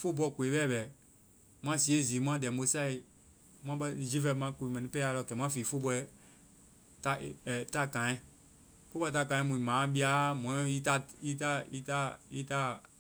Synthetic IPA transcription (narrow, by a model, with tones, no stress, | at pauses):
fo˦bɔ˧˨ku˨e˨bɛ˦˨bɛ˨ | m̃˦ã˦si˨˦e˦˨zi˨˦mũ˦ã˦dɛ˨mo˦sa˦i˨ | mw̃ã˦ɓɛ˦˨d͡ʒi˦vɛ˧mã˧˦ku˧˨i˨mɛ̃˨nĩ˧˦pɛ˦a˧lɔ˧˨kɛ˨˦m̃˦ã˦fi˨fo˦bɔ˧ɛ˦ | ta˦˨ta˦˨kã˨ɛ̃˦˨ | fo˦bɔ˦˧˦ta˦˨kã˨ɛ̃˦mũ˨mã˨˦bi˦a˦mɔ̃˨˦ɔ̃˦i˦ta˦i˦ta˦i˦ta˦i˦ta˦